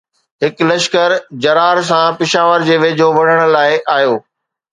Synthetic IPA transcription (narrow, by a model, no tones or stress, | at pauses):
ɦɪklɐʃkəɾd͡ʑɐɾaːɾs̬ãpɪʃaːʋəɾd͡ʑeːʋeːd͡ʑoʋɐɽ̤əɽ̃ʊ̆laːɪʔaːjoː